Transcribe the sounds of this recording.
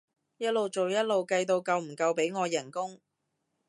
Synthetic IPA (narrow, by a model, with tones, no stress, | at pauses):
jɐ˥t̚lo˨wt͡ʃo˨wjɐ˥t̚lo˨wkɐ˧jt̪̬o˧wkɐ˧wm̩˨˩kɐ˧wpe˨˥jŋɔː˨˧jɐ˨˩ŋkʊ˥ŋ